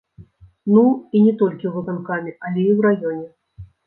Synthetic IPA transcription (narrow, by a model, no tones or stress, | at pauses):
nuinʲɛt̪ɔlʲkʲiwvɨkankamʲiɐlʲɛiwɾajɔnʲɛ